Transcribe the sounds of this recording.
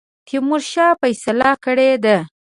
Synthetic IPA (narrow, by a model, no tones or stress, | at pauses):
t̪ʰimʊɾʃɑfajsalakəɽed̪a